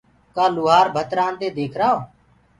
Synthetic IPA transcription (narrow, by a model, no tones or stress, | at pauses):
kaːluːɦaːɾbʱət̪ɾãːnd̪eːd̪eːkʰɾaːoː